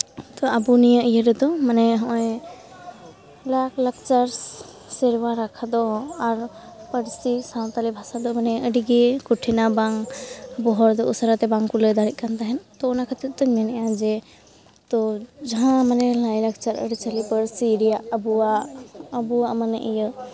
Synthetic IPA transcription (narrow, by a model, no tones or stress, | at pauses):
t̪ɔabunijəʔijəɾɛd̪ɔmanɛɦɔ̃ʔɔ̃ɛ | laklək̚t͡ʃaɾs | sɛɾwaɾakʰad̪ɔaɾ | pəɽsisaw̃t̪alibʱasad̪ɔmanɛʔəɖiɡɛkuʈʰinabaŋbɔɦɔɾd̪ɔʔusəɾat̪ɛbaŋkuləd̪aɾit̪̚kant̪aɦɛnt̪ɔːnakʰət̪it̪̚t̪ɔmɛnɛjãd͡ʒɛ | t̪ɔd͡ʒaɦãmanɛlajlək̚t͡ʃaɾə̰ɽit͡ʃalipəɽsiɾijaʔəbuaʔəbuamənɛʔijə